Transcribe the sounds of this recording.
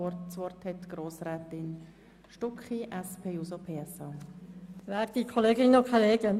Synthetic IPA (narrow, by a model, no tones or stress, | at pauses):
sʋɔrthɛtɡ̥ɾoːsɾɛːtɪn | ʃtʊkχiʔɛspʰeːuːsopʰeːɛsɑː | ʋæːɾd̥̪ikʰoleːɡɪnənokʰoleːɡən